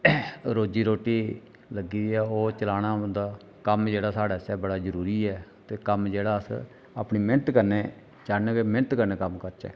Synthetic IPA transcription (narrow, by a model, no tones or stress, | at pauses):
ɾoːd͡ʒiːɾoːʈiː | ləɡiːɛːoːt͡ʃəlaːɽ̃aːə̃nd̪aː | kəmd͡ʒeːɽaːsaːɽaːsɛːbəɽaːd͡ʒəɾuːɾiːɛːt̪eːkəmd͡ʒeːɽaːəs | aːpniːmɪnt̪kəɾneː | t͡ʃaːnekemɪ̃nt̪kəɾneːkəmkəɾt͡ʃɛ̰ː